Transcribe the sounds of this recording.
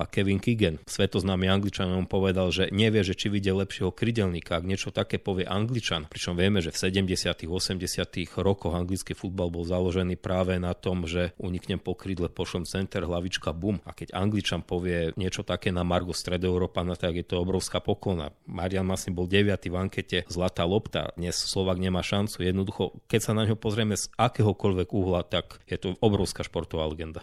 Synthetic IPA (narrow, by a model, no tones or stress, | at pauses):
kɛʋiŋkiɡɛnsʋɛt̪ɔznaːmiaŋɡlit͡ʃanɔmpɔʋɛd̪alʒɛɲɛʋɪɛʒɛt͡ʃiʋiɟɛlɛpʃɪɛɦɔkɾiɟɛlɲikaaɡɲɪɛt͡ʃɔt̪akɛːpɔʋɪɛʔaŋɡlit͡ʃanpɾit͡ʃɔmʋɪɛmɛʒɛfsɛɟɛmɟɛsɪat̪iɣɔsɛmɟɛsɪat̪iɣɾɔkɔɣaŋɡlit͡skifud̪̚balbɔlzalɔʒɛniːpɾaːʋɛnat̪ɔmʒɛuɲikɲɛmpɔkɾid̪lɛpɔʃlɛmt͡sɛnt̪ɛɾɦlaʋit͡ʃkabuma̰kɛɟaŋɡlit͡ʃanpɔʋɪɛɲɪɛt͡ʃɔt̪akɛːnamaɾɡɔst̪ɾɛd̪ɔɛʊɾɔːpanat̪aɡjɛt̪ɔɔbɾɔʊskaːpɔklɔna̰maɾijanmasɲibɔlɟɛʋɪat̪ivaŋkɛcɛzlat̪aːlɔpt̪a̰d̪ɲɛsslˠɔʋaːɡɲɛmaːʃant͡sujɛd̪nɔd̪uxɔkɛcsanaɲɦɔpɔzɾɪɛmɛzakɛːɦɔkɔʎʋɛɡuɦlat̪akjɛt̪ɔɔbɾɔʊskaʃpɔɾt̪ɔʋaːlɛɡɛnd̪a